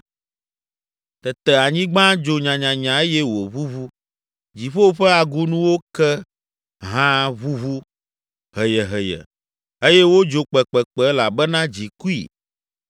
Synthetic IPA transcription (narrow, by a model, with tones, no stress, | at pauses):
t̪ɛ˨t̪ɛ˨a˨ɲĩ˦ɡ͡bã˦d͡ʒo˨ɲã˨ɲã˨ɲã˨e˦jɛ˦wo˨βu˦vu˦ | d͡ʑi˨ɸo˦wɸɛ˦a˨ɡu˦nũ˦wo˦kɛ˦ | ɦã˦βu˦βu˦ | ɦɛ˨jɛ˨ɦɛ˨jɛ̰˨ | e˦jɛ˦wo˦d͡ʒo˨k͡pɛ˨k͡pɛ˨k͡pɛ˨˦la˨bɛ˦nã˦d͡ʑi˨ku˦ḭ˨